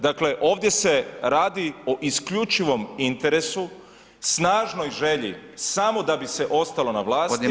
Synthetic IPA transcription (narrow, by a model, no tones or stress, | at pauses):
d̪akle̞ʔo̞ːʋd̪ʲje̞se̞ɾaːd̪ioʔiskʎut͡ʃiʋo̞mint̪e̞ɾe̞su | snaːʒno̞jʒe̞ʎḭsamo̞d̪abise̞ʔo̞st̪alo̞naʋlˠaːst̪